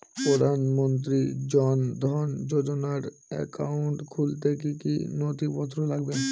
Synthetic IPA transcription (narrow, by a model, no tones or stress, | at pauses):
pɾod̪ʱanmont̪̬ɾid͡ʑɔnd̪ʱɔnd͡ʑod͡ʑonaɾ | ɛ̰kauɳʈkʰult̪ek̬ikḭnot̪ipɔt̪ʰːɾolaɡbe